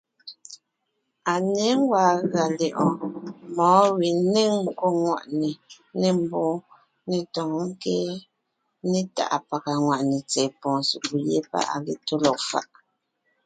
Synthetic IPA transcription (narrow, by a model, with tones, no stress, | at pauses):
a˨ne˨˦ŋ˦ɡwaː˨˦ɣa˨le˨ʔɔ̃˨mɔː˨˦wi˨ne˦ŋ̩˦ko˦ŋwa̰˨ʔne˨ | nɛ˦˨m̩˨bɔ˦ | ne˨tɔ˨ŋŋ̩˦kɛ˦ | ne˦ta̰˨ʔa˨pa˨ka˨ŋwa˨ʔne˨t͡sɛ˨pɔ̃ː˨su˨ku˨jḛ˦pa̰˦ʔa̰˨ɣe˨to˦lɔ˨k̚fa̰˦ʔ